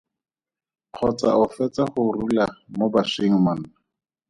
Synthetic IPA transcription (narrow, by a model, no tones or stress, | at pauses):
q͡χʰɔt͡sa̰ʔʊfɛt͡saχʊrulamobaʂiŋ̩man̩